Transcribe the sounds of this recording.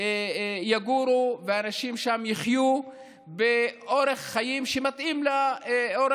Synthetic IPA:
jaɡuɾuveaːnaʃimʃamjiχju | beʔoʁeχːajimʃemat̪ʔimlaoɾ

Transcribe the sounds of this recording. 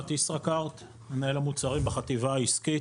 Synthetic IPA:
at̪isʁakaʁt̪ | menaelamut͡saʁimbeχat̪ivaːiski

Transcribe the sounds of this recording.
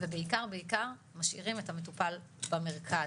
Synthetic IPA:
vebeikaʁbeikaʁ | maʃʔḭʁimethametupalbameʁkʰa

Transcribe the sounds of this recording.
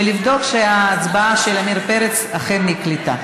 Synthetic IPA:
elivd̪o̞kʃeaːt͡sbaaʃelamiɾpeɾet͡saχenːiklit̪a

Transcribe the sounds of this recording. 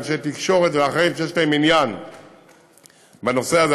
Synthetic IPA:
ʃet̪ikʃo̞ʁet̪veaχaimʃejeʃlae̞minjan | beno̞seaz

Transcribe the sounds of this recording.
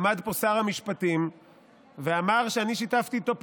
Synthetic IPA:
mad̪po̞saʁhamiʃpatim | veamaʁʃeaniʃitaft̪iːt̪o̞p

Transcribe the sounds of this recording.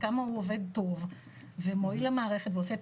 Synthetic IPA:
kamahuove̞d̪̚to̞v | vemoilamaːʁe̞χetveoseet

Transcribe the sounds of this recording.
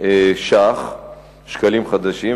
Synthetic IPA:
eʃaχ | ʃkalimχad̪aʃi

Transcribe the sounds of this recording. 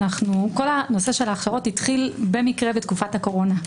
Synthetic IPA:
naχnuko̞lano̞se̞ʃe̞laːχʃaʁo̞tit̪χilbe̞mikʁe̞bet̪kufathako̞ʁo̞na

